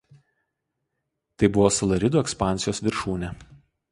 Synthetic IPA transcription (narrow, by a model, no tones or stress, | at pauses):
t̪ɐɪbʊʋoːsɐlˠɐɾʲɪd̪uːɛkspɑˑnʲˑsʲɪjoːsʋʲɪɾʃuːnʲɛ